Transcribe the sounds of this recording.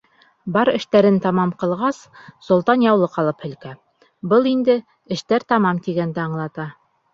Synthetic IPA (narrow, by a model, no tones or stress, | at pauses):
bɑɾɘ̆ʃt̪æɾɘnt̪ɑmɑmqɤ̆lˠʁɑssŏlˠt̪ɑnjɑwlˠɤqɑlˠɤphɵ̆lkæ | bɤlˠind̪ɘ | ɘ̆ʃt̪æɾt̪ɑmɑmt̪iɡænd̪æɑɴlˠɑt̪ɑ